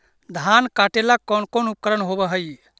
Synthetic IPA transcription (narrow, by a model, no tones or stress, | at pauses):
d̪ʱankaʈelakɔnkonup̚kəɾənɦobəɦəj